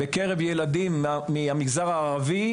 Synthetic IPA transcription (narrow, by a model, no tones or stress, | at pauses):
bekeʁe̞vjeladimːiamiɡzaʁaːʁavi